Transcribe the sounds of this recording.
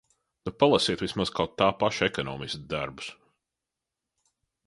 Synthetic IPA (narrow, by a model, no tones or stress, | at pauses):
nupalˠasiɛt̪ʋʲismaz̥kʰawt̪ːaːpaʃɛkɔnɔ̰ːmist̪d̪aɾbu̥s